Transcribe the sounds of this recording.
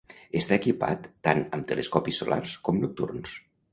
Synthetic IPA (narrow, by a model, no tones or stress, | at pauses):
est̪aekipa̰t̪ːanəmt̪əleskɔpisːulʔa̰rskɔmnuk̚t̪ṵrns